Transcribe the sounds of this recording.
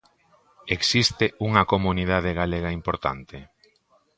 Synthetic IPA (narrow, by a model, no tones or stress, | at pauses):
eksist̪euŋɐkomuniðaðeɣ̞aleɣaimpoɾt̪a̰nt̪e